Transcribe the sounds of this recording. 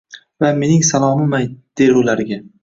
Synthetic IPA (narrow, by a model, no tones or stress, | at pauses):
vame̞nɪŋsalˠɒmɪmajd̪̥eɾʊlaɾɪɡʲa